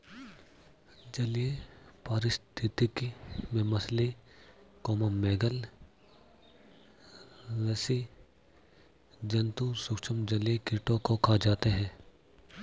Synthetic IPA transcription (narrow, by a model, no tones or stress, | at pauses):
d͡ʒɐlijepaːɾɪst̪ʰɪt̪ikimẽmɐsle | kɔːmameːɡəl | ɾɐsi | d͡ʒɐnt̪usʊkʃʰəmd͡ʒɐlijekɪʈõkokʰaːd͡ʒaːt̪eɦɛ̃ː